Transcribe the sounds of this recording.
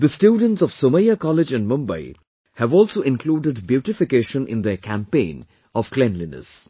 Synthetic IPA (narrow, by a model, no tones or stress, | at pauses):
d̪əsʈjuːɖə̃nʈsɔʋ̥soməjakɔlɪd͡ʒæ̃nmʌ̃mba̰ɪ | hæʋɔːlsoːʔɪ̃nkluːɖɪɖbjuʈɪfɪkeːʃə̃nʔɪ̰̃nd̪ekʰæ̃mpẽːn | ɔʋ̥klɛ̃nlinə̰s